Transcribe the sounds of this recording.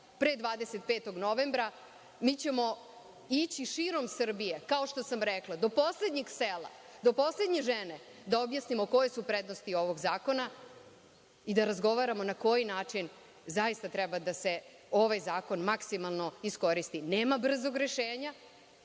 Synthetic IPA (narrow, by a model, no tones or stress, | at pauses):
pɾed̪ʋaːd̪eset̪̚peːt̪o̞ɡno̞ʋembɾa | miːt͡ɕemo̞ | it͡ɕiʃiɾo̞msr̩bije̞kao̞ʃt̪o̞samɾeklad̪o̞po̞sle̞d̪ɲiɡsela̰ | d̪o̞po̞sle̞d̪ɲeʒene̞ | d̪aobjasnimo̞ko̞jesupɾed̪nost̪io̞ʋoɡzaːko̞na | id̪aɾazɡo̞ʋaɾamo̞nako̞jinaːt͡ʂin | zajist̪at̪ɾɛbad̪ase̞ | oʋajzaːko̞nmaksimalˠno̞isko̞ɾist̪ineːmabr̩zoɡɾeʃeːɲa